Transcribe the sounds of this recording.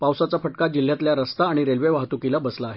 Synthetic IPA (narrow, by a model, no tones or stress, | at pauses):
pawsat͡safəʈkad͡ʑil̤ːjat̪ljaɾəst̪aːɽ̃iɾelʋeʋaɦt̪ukilabəslaːɦe